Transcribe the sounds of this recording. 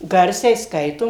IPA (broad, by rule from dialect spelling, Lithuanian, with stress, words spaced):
ˈɡɐrʲsʲɛɪ ˈskɐɪtoːm